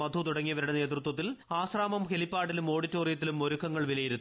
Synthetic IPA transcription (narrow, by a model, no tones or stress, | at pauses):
mɐd̪ʱut̪uɽɐŋːijɐʋɐɾiɽɐne̞ːt̪rɨt̪wɐt̪ːilaːsraːmɐmkelipːaːɽilumo̞ːɽitːoːrijɐt̪ːilumoɾukʰːɐŋːɐɭʋilɐjiɾunː